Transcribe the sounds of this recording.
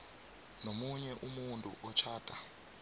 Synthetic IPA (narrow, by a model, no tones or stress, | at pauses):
nomuɲɛʔumuntʼṵʔɔt͡ʃʰaːd̥ʼʱa